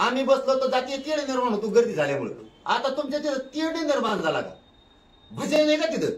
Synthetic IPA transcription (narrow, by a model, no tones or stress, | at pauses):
amibəslət̪əd͡zat̪ijet̪eɽẽnəɾmaɳ̃ot̪ũɡəɾd̪iːd͡zʱaljam̤ə̰ɭt̪oat̪ãt̪umt͡ɕat̪id̪ət̪iɽend̪əɾmand͡zala̰ka̰ | bʱəd͡zẽnajkak̪id̪ə